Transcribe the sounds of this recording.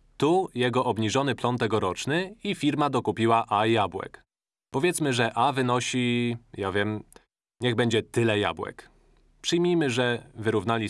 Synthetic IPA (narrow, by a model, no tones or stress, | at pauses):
t̪ujɛɡɔʔɔbɲiʐɔn̪ɘplɔnt̪ɛɡɔɾɔt͡ʂnɘifʲiɾmad̪ɔkupʲiwaʔajabwɛ̰k | pɔvʲjɛt̪smɘʐɛʔavɘnɔɕijavʲjɛm | ɲɛɣbɛɲd͡ʑɛt̪ɘlɛja̰bwɛ̰k | pʂɘjmʲijmɘʐɛvɘɾuvnalʲi